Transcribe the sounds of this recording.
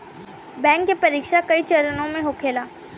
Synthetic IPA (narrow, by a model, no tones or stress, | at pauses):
bɛ̃ːŋkːepɐɾiːkʃakɐit͡ʃɐɾənõmẽɦokʰeːlaː